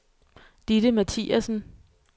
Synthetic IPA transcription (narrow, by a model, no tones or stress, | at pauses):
d̥iɾ̥əmæt͡sʰḭːæsn̩